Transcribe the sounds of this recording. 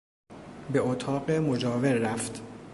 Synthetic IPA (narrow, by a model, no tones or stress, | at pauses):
be̞ot̪ʰɒːɢemod͡ʒɒːveɾɾæft̪